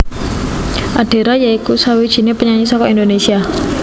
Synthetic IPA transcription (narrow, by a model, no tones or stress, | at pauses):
ʔaɖ̥e̤ɾajaikusawid̥ʒ̥i̤nepəɲaɲisɔkɔind̪onesia